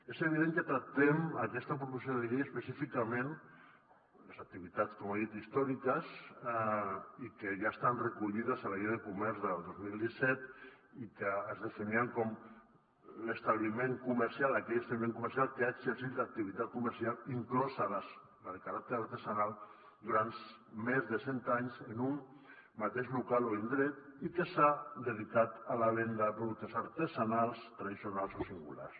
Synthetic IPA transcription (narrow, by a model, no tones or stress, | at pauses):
ezəβ̞iðeŋkət̪ɾak̚t̪ɛmakɛst̪əpɾup̬us̬joðəʎeəspəsifikamen | ləsak̚t̪iβ̞it̪at͡skɔmaðit̪ist̪ɔɾikəs | ikəʒaest̪anrəkuʎiðəzalajeðəkumɛɾzðəlˠd̪ozmilˠd̪isɛt̪ | ikəːzðəfiniəŋkɔm | ləst̪aβlimeŋkuməɾsialakɛʎəst̪aβlimẽŋkuməɾsialˠkəaeɡzəɾsit̪lak̚t̪iβ̞it̪at̪̚kuməɾsialiŋklɔzalas | aðkaɾak̚t̪əɾaɾt̪əzanalˠ | d̪uɾant̪ | mezðəsent̪aɲzənum | mat̪eʃlukaloend̪ɾɛt̪ikəsad̪əðikat̪alaβend̪apɾuðuk̚t̪əsaɾt̪əzanalˠst̪ɾaðisiunalˠsosiŋɡṵla̰rs